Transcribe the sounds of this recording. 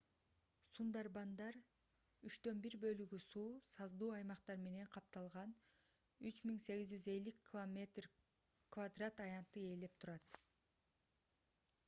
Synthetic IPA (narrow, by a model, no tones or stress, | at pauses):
sund̪ɑɾbɑnd̪ɑɾ | yt͡ʃt̪ø̞nbiɾbø̞lyɡysuːsɑzd̪uːɑjmɑqt̪ɑɾme̞ne̞ɴqʰɑp̚t̪ɑlˠʁɑn | yt͡ʃmiŋse̞ɡizd͡ʒyze̞lːikʲʰːilˠome̞t̪r | kvad̪rat̪ɑjɑnt̪ːɯe̞ːle̞p̚t̪ʰuɾɑt̪